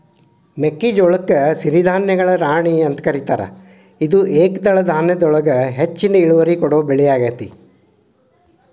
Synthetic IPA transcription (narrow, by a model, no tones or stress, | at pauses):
mekːid͡ʒɔɭɐkːɐsiɾid̪ʱaːnjɐɡɐɭɐɾaːɳiɐnt̪ɐ̥kɐɾit̪aːɾɐ̰ | id̪uʔeːkd̪ɐɭɐd̪ʱaːnjɐd̪ɔɭɐɡɐɦet͡ʃːinɐiɭuʋɐɾikɔɽoːbeɭijaːɡaːt̪i